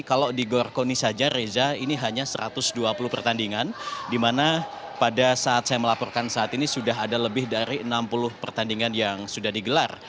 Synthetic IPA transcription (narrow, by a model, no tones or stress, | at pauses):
kalodiɡorkonisad͡ʒaɾezainiɦaɲasəɾa̰t̪ʊsduapulʊhpərt̪andiŋandimana | padasaːt̪̚sajaməlapɔrkansaːt̪inisudaɦadaləbɪhdaɾiənampulʊhpərt̪andiŋanjaŋsudahdiɡəlar